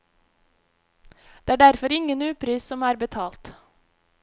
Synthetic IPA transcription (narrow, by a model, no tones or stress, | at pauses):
d̪̥eːæːɖæɾfɔɾɪŋənʉːpʰɾiːssɔmæːɾbət̪ʰɑːlt̪